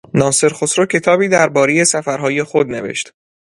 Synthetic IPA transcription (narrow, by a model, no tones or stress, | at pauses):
nɒːse̞ɾxosɾoːcʰe̞t̪ʰɒːbiːd̪æɾbɒːɾe̞je̞sæfæɾɦɒːje̞xod̪ne̞̰vḛʃt̪